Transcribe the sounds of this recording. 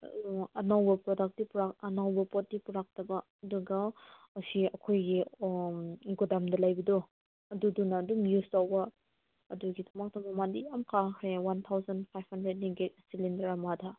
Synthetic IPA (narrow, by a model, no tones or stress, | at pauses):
ɐnawbɐpɾɔdak̚tipuɾaɐnawbɐpɔt̚tːipuɾak̚tɐbɐ | duɡaː | siɐkʰojɡi | ɡudamdɐlajbɐdɔ | ɐdudunɐːdumjustawbɐ | ɐduɡidɐmak̚tɐmɐmandiamkʰaŋkʰɾewant̪ʰawzanpʰajbhandɾed̚niɡetsilindɐɾamada